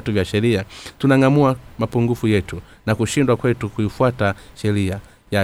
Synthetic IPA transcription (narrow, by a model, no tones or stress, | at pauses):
tuvjaʃɛɾiatunaŋamuamapuŋɡufujɛtu | nakuʃindwakwɛtukujifuataʃɛɾia | ja